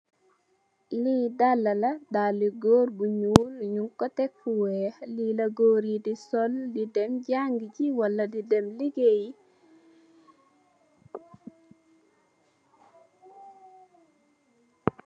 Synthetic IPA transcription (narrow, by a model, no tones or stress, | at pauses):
lidalːɐlɐdaliɡɔːɾbuɲulɲuŋkɔtɛk̚fuwɛlilɐɡoːɾidisɔldidɛmɟaŋɡiciwɐlːɐdidɛmliɡeji